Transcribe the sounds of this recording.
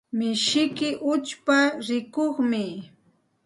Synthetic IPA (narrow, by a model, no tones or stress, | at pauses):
mɪʃɪkɪʔʊt͡ʃpaɾɪkoχmɪ